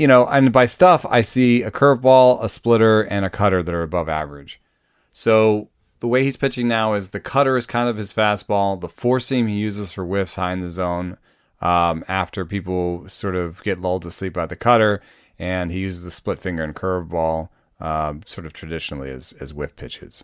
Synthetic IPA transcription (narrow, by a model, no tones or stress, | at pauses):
jɨɾ̃oʊʔɨ̃nbaɪstʌfa̰ɪsiɨkʰɜ˞vbɔlˠəsplɪɾə˞ɨ̃nɨkʰʌɾə˞ðɨɾə˞ɨbʌvæ̰və˞ɨd̥ʒ̥ | soʊ | ðəweɪhiz̥pʰɪt͡ʃɪ̃ŋnaʊɨzðɨkʰʌɾə˞ɨz̥kʰãɪ̃ndʌv̥ɨz̥fæs̚b̥ɔlˠðəfɔɹsĩmijʉzɨz̥fə˞wɪfshaɪɪ̃ŋðɨzõʊ̃n | ʔʌæftə˞pipl̩ˠsɔɹɾʌvɡ̥ɛtˡlʌʊlˠd̚tʰəslipaʊt̪̚ðɨkʰʌɾə˞ | ɨ̃nijʉzɨzðɨsplɪtfɪ̃ŋɡə˞ɨ̃nkʰɜ˞vbɔlˠ | ʌsɔɹɾʌv̥tʰɹ̥ɨdɪʃnl̩ˠiɨ̰z̥ɨ̰zwɪfpʰɪt͡ʃɨ̰z̥